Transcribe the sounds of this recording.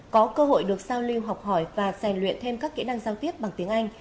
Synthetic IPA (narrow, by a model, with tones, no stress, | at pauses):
kɔ˨˦kəː˧ɦo̰˧˨jɗɨ˨˩ək̚zaː˧wli˧wɦa˨˩wk͡p̚hɔ˧˩jvaː˨˩sɛ˨˩nlwḭ˧˨ənt̪ʰe˧mkaː˦˥kːḭ˧˥na˧ŋzaː˧wt̪i˦˥əp̚ɓa˨˩ŋt̪i˨˦əŋʔa˧jŋ̟